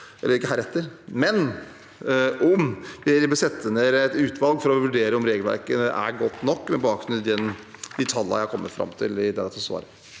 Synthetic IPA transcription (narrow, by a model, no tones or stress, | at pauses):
ʔɛ̰lːəɾɪkːəɦæːɾɛt̪ːəɾmɛn | ʔɔmbɪbəsɛt̪ːəneːɾɛt̪ʉːt̪ʰʋɑlɡfɔɾɔʋʉɖeːɾəɔmɾeːɡəlʋæ̰ɾkəʔæ̰ɾɡɔt̪ːnɔkːmɛbɑːksnʉd̪ɛnd̪ɪt̪ʰɑlːɑ̰jæhɑkʰɔmːət̪fɾɑ̰mt̪ʰɪ̰lɪd̪ɛd̪ɛt̪ʰɔsʋɑ̰ːɾə